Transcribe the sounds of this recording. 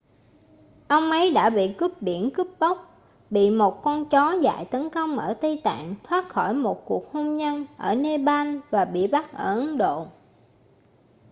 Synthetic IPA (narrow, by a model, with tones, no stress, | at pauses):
ʔə˧wŋ͡mʔə˨˦jɗa̰ː˧˥ɓḭ˧˨ku˦˥p̚ɗi˧˩ənkɨ˦˥p̚ɓə˦˥wk͡p̚ | ɓḭ˧˨mo˨˩t̚kɔ˧nt͡ɕɔ˨˦za̰ː˧˨jt̪ə˨˦nkə˧wŋ͡mʔəː˧˩t̪ə˧jt̪a̰ː˧˨ŋt̪ʰwaː˦˥t̚xɔ˧˩jmo˨˩t̚ku˨˩ək̚ho˧mɲə˧nʔəː˧˩ne˧ɓa˧nvaː˨˩ɓḭ˧˨ɓa˦˥t̚ʔəː˧˩ʔə˨˦ŋɗo̰˧˨